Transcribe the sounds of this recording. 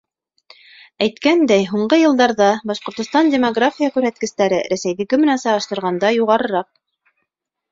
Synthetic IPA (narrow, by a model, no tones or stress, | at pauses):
æjt̪kænd̪æjɦuɴɢɤjɤ̆lˠd̪ɑɾðɑbɑʃqŏɾt̪ŏst̪ɑndʲemoɡrafʲijakʉɾhæt̪̚kɘ̆st̪æɾɘɾæsæjðɘ̆kɘmɘ̆nænsɑʁɑ̆ʃt̪ɤ̆ɾʁɑnd̪ɑjuʁɑɾɤ̆ɾɑq̚